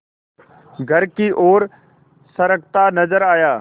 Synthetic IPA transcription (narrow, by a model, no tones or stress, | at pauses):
ɡʱəɾkiːʔoːɾ | səɾək̚ʰt̪aːnəzəɾaːjaː